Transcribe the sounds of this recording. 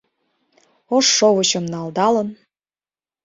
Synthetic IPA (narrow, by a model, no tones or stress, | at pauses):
oʃːoβəɕɤ̆mnɑld̪ɑlən